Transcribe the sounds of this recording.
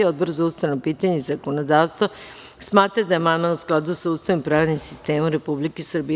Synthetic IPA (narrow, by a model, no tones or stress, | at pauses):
iod̪̚boɾzaust̪anopiːt̪aɲezakonod̪aːʋst̪ʋosmaːt̪ɾad̪ajemamausklˠad̪usaust̪aʋimpɾaːʋnimsist̪e̞ːmuɾe̞publikesr̩bi